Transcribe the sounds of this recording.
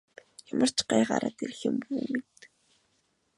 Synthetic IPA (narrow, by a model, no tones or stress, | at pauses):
jamər̥t͡ɕɢajɢaɾʔat̪erxɘ̆mpuːmit̪